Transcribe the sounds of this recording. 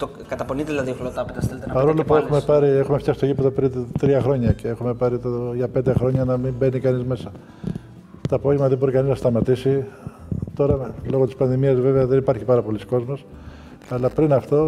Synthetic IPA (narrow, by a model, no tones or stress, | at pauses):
t̪o | kɐt̪ɐponit̪eðilɐðioxlot̪ɐpet̪ɐsθelet̪enɐpɐɾolipoexumepɐɾie̞xumefjɐsi̥t̪oʝipet̪opɾit̪ɾiɐxɾo̞ɲɐceexume̞pɐɾit̪oʝɐpe̞nd̪exɾo̞ɲɐnɐmimbe̞nikɐnizme̞sɐ | t̪oɐpo̞ʝemɐðebo̞ɾikɐniznɐst̪ɐmɐt̪isi | t̪o̞ɾɐlo̞ɣot̪i̥spɐnðimiɐzve̞veɐðe̞nipɐɾçipɐɾɐpo̞lisko̞zmo̞s | ɐlɐpɾinɐft̪o̞